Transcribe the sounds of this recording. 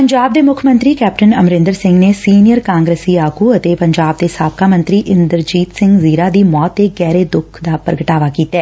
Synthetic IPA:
pəɲd͡ʒaːb̚d̪eːmʊkʰəmə̃nt̪ɾiːkɛːp̚ʈənəmɾɪ̃nd̪əɾsɪ̃ŋɡnesiːnijəɾkãːŋɡɾeːsiːaːkuːət̪epəɲd͡ʒaːb̚d̪eːsaːbkaːmə̃nt̪ɾiːʔɪnd̪əɾd͡ʒiːt̪sɪ̃ŋɡziːɾaːd̪iːmɔːt̪ːeːɡɛːɾeːd̪ʊkʰd̪aːpɾəɡəʈaːʋaːkiːt̪aɛː

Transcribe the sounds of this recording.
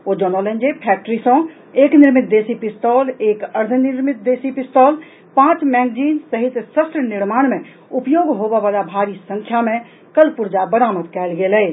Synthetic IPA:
od͡ʒɔnɔlə̃nd͡ʒepʰɛːk̚ʈəɾisõ | eːknɪɾmɪt̪̚d̪eːsipɪst̪ɔːleːkəɾd̪ʱənɪɾmɪt̪̚d̪eːsipɪsʈ̪ɔːl | pãːt͡ʃmɛ̃ːŋɡd͡ʒiːnsəɦɪt̪səst̪ɾənɪɾmaːɽ̃mẽ | ʊpjoːɡɦobɛʋaːlabʱaːɾisə̃ŋkʰjamẽ | kəlpʊɾd͡ʒabəɾaːmət̪kɛːlɡeːlɛː

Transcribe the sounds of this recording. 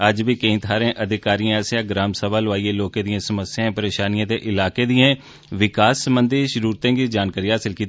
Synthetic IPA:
əd͡ʒbʱikɐĩːt̪ʰaːɾẽːʔəd̪ʱɪkaːɾijãsjãɡɾaːmsəbaːlʋaːieloːkẽd̪iẽsəməsjãpəɾeːʃaːnijãt̪eʔɪlaːked̪iẽː | ʋɪkaːsːəmbənd̪ʱiʃəɾuːɾt̪ẽːkid͡ʒaːnkaɾiːaaːsɪlkiː

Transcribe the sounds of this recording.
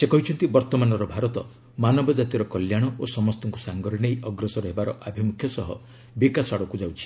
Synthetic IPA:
sekɔɦit͡ʃʰɔnt̪ibɔɾt̪ɔmanɔɾɔbʱaɾɔt̪ɔ | manɔbɔd͡ʒat̪iɾɔkɔljaɽ̃ɔʔosɔmɔst̪ɔŋkusaŋɡɔɾinejɔɡɾɔsɔɾɔɦebaɾɔʔabʱimukʰjɔsɔɦɔ̰ | bikasaɽɔkud͡ʒawt͡ʃʰi̥

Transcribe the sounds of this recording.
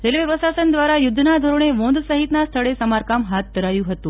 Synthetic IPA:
ɾelʋeʋəsasənd̪ʋaɾajud̪ʱːnad̪ʱoɾoɳ̃eʋõnd̪səɦit̪nast̪ʰəɭesəmaɾkamɦat̪̚d̪əɾajuɦət̪ũ

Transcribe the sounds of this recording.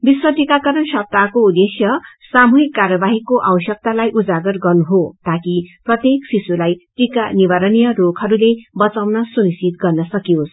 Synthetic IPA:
biswʌʈikakʌɾʌnsʌp̚t̪akoud̪esjʌ | samuɦikːarjʌbaɦikoʔawʌsjʌk̚t̪alajʔud͡zaɡʌrɡʌrnuɦot̪akiprʌt̪jeksisulajʈikanibaɾʌnijʌrokʰʌɾulebʌt͡sawnʌsunisit̪̚ɡʌrnʌsʌkijos

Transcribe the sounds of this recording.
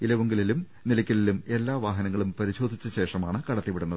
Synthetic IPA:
ilɐʋuŋɡililum | nilɐkʲːɐlilume̞lːaːʋaːɦɐnɐŋːɐɭumpɐɾiɕo̞ːd̪ʱit͡ɕːɐɕe̞ːʂɐmaːɳɨkɐɽɐt̪ːiʋiɽunːɐð

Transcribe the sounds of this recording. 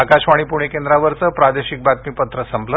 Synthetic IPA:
akaɕʋaɽ̃iːpuɽ̃ekẽnd̪ɾaʋəɾt͡səpɾad̪eɕik̚bat̪̚miːpət̪ɾəsəmblə

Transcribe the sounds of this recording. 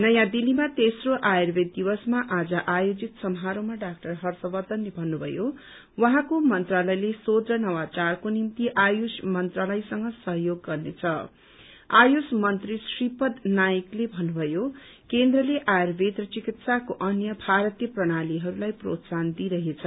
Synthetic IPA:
nʌjãd̪ilimat̪esroʔajerbed̪̚ːibʌsmaʔad͡zʌʔajod͡zit̪sʌmɦaɾomaɖak̚ʈʌrɦʌrsʌbʌd̪ʌnlebʱʌnːubʱʌ̰jo | wʌɦãkomʌnt̪ralʌjlesod̪rʌnʌwat͡sarkonimt̪iʔajosmʌnt̪ralʌjsʌŋɡʌsʌɦjoɡːʌrnet͡sʰʌ | ajosmʌnt̪risripʌd̪najiklebʱʌnːubʱʌjo | kend̪rʌleʔajerbʱed̪rʌt͡sikit̪sakoʔʌnjʌbʱaɾʌt̪jʌprʌɽ̃aliɦʌɾulajpro̰t̪sand̪iɾʌɦet͡sʰʌ

